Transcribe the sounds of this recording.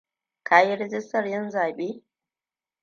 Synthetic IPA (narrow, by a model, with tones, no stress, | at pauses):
kʰaː˨ji˦ɾɛ˦d͡ʒɪ˦stɐ˨rjɐ˦nzaː˨ɓeː˦